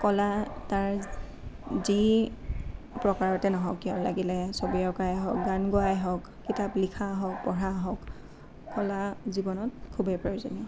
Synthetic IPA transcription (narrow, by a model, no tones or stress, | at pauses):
kɔlataɹ | zi | pɹɔkaɹɔtɛnɔɦɔkːiɔla̰ɡilɛsobiɔɹkajɦɔk̚ɡanɡoajɦɔk | kːitaplikʰaɦɔk̚pɔɹaɦɔk | kɔlazibɔnɔt̚kʰubepɹɔjozɔniɔ